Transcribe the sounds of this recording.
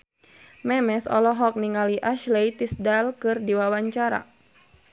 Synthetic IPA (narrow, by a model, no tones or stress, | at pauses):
mɛmɛsɔ̰lɔɦɔk̚niŋaliʔaʃlejt̪isdalkɨrdiwawaɲt͡ʃaɾa̰